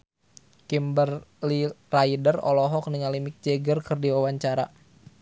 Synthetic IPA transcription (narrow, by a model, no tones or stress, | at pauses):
kimbərliraidərɔ̰lɔɦɔk̚niŋalimɪk̚d͡ʒɛɡərkɨrdiwawaɲt͡ʃaɾa